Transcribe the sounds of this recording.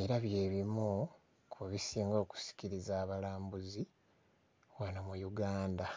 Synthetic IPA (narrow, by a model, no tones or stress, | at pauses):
iɾaβje̞ːβimu | kʰuβisiːŋɡo̞ːku̥si̥ciɾizaːβalaːmbuzi | wanamujuɡaːnda